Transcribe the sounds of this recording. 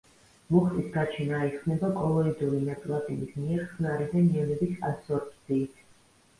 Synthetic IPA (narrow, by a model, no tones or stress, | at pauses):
muχt̪ʼisɡat͡ʃʰinaiχnɛbakʼɔlˠɔid̪ulinap̪sʼlat̪ʼibismiɛɾχnaɾid̪aniɛnɛbisasɔɾpʼsiːt̪ʰ